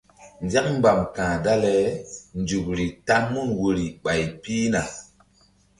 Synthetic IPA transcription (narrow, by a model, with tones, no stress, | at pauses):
nd͡ʒa˦km˦ba˨mkãː˨da˦lɛ˨˦nd͡ʒu˨k̚ɾi˨ta˦ŋmu˦nwo˨ɾi˨ɓa˨jpiː˦na˨